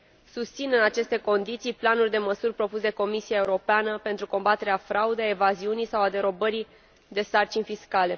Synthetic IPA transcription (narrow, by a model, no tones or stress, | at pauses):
sust̪sinɨnat͡ʃe̞st̪e̞ko̞nd̪it̪sijplanurʲd̪e̞məsurʲpɾo̞pus̬d̪e̞ko̞misiae̞uɾo̞peanəpe̞nt̪ɾuko̞mbat̪e̞ɾeafɾaud̪ejaevaziunijsawad̪e̞ɾo̞bəɾi | d̪e̞sart͡ʃinʲfiskale̞